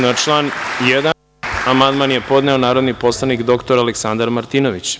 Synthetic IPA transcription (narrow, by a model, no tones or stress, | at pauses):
nat͡ʂlˠaːnjed̪a | amand̪manjepo̞d̪neo̞naːɾo̞d̪nipo̞slˠanikd̪o̞kt̪o̞ɾaleksand̪aɾmaɾt̪iːnoʋit͡ɕ